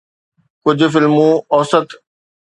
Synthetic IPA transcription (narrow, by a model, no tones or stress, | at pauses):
kʊd͡ʑʱʊ̆fɪlmũɔːsət̪